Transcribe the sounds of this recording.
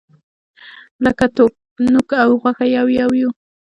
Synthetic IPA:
lakat̪ʊ | nʊkaːwɢɑkajawjawjʊ

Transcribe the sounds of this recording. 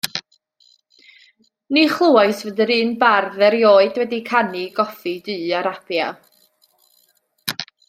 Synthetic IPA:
niχlˠuaɨsvədəɾɨːnbarðɛɾjoːɨdwɛdikʰaniɡɔfidɨːaɾab̥ja̰

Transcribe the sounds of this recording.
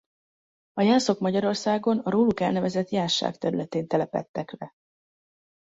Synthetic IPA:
ɒjaːso̞kmɒɟɒɾo̞rsaːɡo̞nɒɾoːlukɛlnɛvɛzɛt̪jaːʃːa̰ːkt̪ɛɾylɛt̪eːnt̪ɛlɛpɛ̰t̪ːɛkrɛ

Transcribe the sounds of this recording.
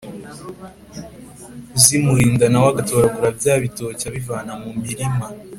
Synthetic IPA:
zimuɾiːndanawaɡato̞ːɾaɡuɾabjaːβitocaβivaːnamumiɾima

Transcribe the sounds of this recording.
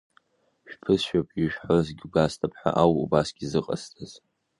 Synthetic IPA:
ʃᶣpʰɨsʃᶣapʰʼiʒᶣħalɨzɡʲɪɡastʰʼapʰħa̰ʔawubasɡʲizɨqʼa̰stʰʼaz̥

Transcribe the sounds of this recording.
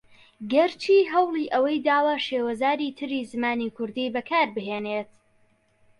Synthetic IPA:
ɡɐɾt͡ʃʰiːɦɐwlˠiːʔɐwɐjd̪aːwaʃeːwɐzaːɾiːt̪ʰɨɾiːzɨmaːniːkʰʊɾd̪iːbɐkʰaːɾbɨɦeːneːt̪

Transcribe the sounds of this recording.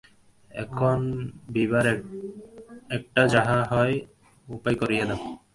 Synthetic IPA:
ɛ̰kʰonbiβaɾ | ɛk̚ʈad͡ʑaɦaɦɔj | upajkoɾijad̪ɛ

